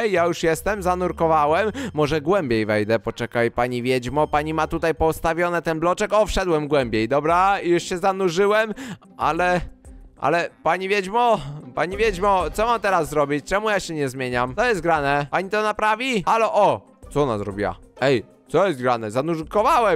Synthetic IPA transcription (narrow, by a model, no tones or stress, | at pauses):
ɛjːjajuʂjɛst̪ɛmzanuɾkɔvawɛmːɔʐɛɡwɛmbʲjejvɛjd̪ɛpɔt͡ʂɛkajpaɲivʲjɛd͡ʑmɔpaɲimat̪ut̪ajpɔst̪avʲjɔnɛt̪ɛnblɔt͡ʂɛkɔfʂɛd̪wɛmɡwɛmbʲjejd̪ɔbɾaijuʂɕɛzanuʐɘwɛm | ʔa̰lɛʔa̰lɛpaɲivʲjɛd͡ʑmɔpaɲivʲjɛd͡ʑmɔt̪sɔmamt̪ɛɾazːɾɔbʲit͡ɕt͡ʂɛmujaɕɛɲɛzmʲjeɲamt̪ɔjɛst̪ɡɾanɛpaɲit̪ɔnapɾavʲialɔʔɔ | t̪ɔnazɾɔbʲiwa̰ɛj | t̪sɔjɛst̪̚ɡɾanɛzanuɾkɔvawɛ